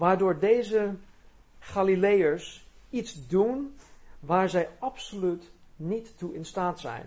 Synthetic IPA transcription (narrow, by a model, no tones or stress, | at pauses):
ʋaːɹdʊːɹdejzə | χaːlilejəɹsitzdunʋaːɹzɛjɑpsolytnitːuɪnstaːtsɛ̰jn